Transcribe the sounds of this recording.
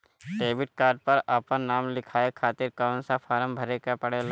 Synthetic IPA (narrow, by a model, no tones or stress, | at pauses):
ʈeːbɪʈ̚kaːɾɖ̚pɐɾaːpənnaːmlɪkʰaːekʰaːt̪ɪɾkaːnsafʰaːɾəmbʱɐɾekapɐɽel